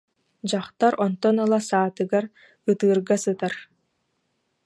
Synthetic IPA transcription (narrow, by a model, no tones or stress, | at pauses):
d͡ʑaχt̪aɾɔnt̪ɔnɯlˠasaːt̪ɯɡaɾ | ɯt̪ɯːɾɡasɯt̪aɾ